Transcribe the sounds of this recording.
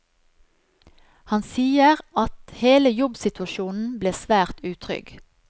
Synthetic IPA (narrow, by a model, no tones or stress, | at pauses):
hɑnsiːəʁɑt̪heːləjɔbsɪt̪ʉɑʃuːnn̩bleːsʋæːʁt̪ʉːt̪ʰʁʏ̰ɡ